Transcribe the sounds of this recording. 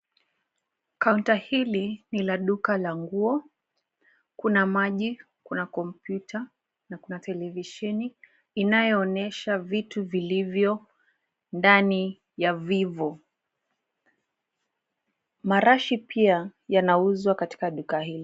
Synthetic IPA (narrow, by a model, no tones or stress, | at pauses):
kauntahilinilaɗukalaŋɡuɔ | kunamaʄi | kunakɔmpjutʰa | nakunatɛlɛviʃɛni | inajɔːnɛʃavituvilivjɔ | ndani | javivɔ | maɾaʃipʰiajanauzwakati̥kaɗukahili